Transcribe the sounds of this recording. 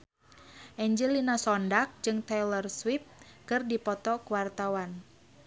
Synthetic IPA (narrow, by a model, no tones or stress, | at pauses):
ʔɛɲd͡ʒɛlinasɔndak̚d͡ʒɨŋt̪ɛlərswip̚kɨrdipɔt̪ɔkuwart̪awan